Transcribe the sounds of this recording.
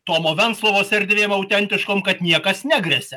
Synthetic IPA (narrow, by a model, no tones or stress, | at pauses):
t̪oːmoːʋʲɛnt̪slˠoːʋoːsʲɛɾʲd̪ʲʋʲeːmɐʊt̪ʲɛnʲt̪ʲɪʃkoːmkɐt̪nʲiɛkɐsnʲæɡɾʲɛsʲɛ